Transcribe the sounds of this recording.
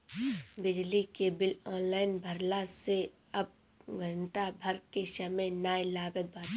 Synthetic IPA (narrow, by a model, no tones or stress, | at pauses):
bɪd͡ʒlikebɪlɔːnlaːɪnbʱəɾlase | ɐb̚ | ɡʱə̃ɳʈabʱɐɾkeʃəmẽnaːjlaːɡət̪̚bə